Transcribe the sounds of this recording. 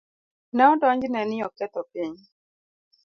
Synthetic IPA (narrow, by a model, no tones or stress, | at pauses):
naɔtɔɲd͡ʒinɛnɪɔkɛt̪ɔpiɲ